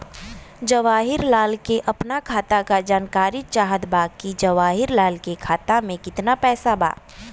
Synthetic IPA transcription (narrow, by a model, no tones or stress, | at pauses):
d͡ʒɐʋaːɦɪɾlaːlkeʔɐpnakʰaːt̪akad͡ʒaːnkaːɾɪt̪t͡ʃaːɦəd̪baːkid͡ʒɐʋaːɦɪɾlaːlkekʰaːt̪amẽkɪt̪napɛːsaba̰ː